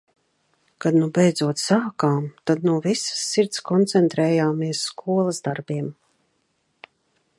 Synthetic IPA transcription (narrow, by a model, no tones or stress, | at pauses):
kad̪nubɛjd̪zuɔt̪saːkaːmt̪ad̪nuɔvisḁsːiɾt̪skɔnt̪sɛnt̪ɾɛːjaːmiɛsskuɔlˠazd̪aɾbiɛm